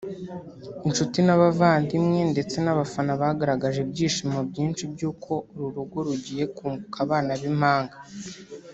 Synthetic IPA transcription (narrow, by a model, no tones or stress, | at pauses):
int͡ʃutinaβavaːndimŋe̞nde̞t͡se̞naβafanaβaaɡaɾaɡaʒebɟiːʃimobɟiːnʃibjuːkʰo̞ɾuɾuɡo̞ɾuɟije̞kuːŋɡukʰaβaːnaβim̥haːŋɡa